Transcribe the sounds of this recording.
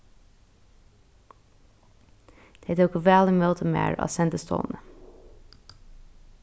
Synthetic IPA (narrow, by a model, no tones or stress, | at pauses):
d̪̥eɛt̪əɔkəʋæːləmøːt̪ʰəmḛːɹɑ̰ːsɛnd̪əst̪ʰo̰ːnə